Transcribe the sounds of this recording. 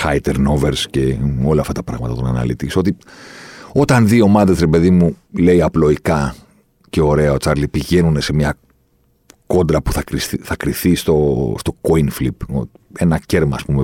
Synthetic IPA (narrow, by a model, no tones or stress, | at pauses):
xɐjt̪eɾno̞veɾsce̞o̞lɐːft̪ɐt̪ɐpɾɐɣmɐt̪ɐt̪onɐnɐ̰lit̪iiso̞t̪i | o̞t̪ɐnðio̞mɐðe̞zɾepe̞ðimule̞iɐplo̞ikɐ | ce̞o̞ɾe̞ɐo̞t͡sɐɾlipiʝe̞nune̞se̞mɲɐ | ko̞nd̪ɾɐpuθɐkɾisiθɐkɾiθist̪o̞st̪o̞koinflipo | e̞nɐce̞ɾmɐːspume